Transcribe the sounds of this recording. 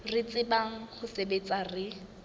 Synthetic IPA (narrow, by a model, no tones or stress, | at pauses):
rɪt͡sʼɪbaŋ̩χʊsebet͡sʼarɪ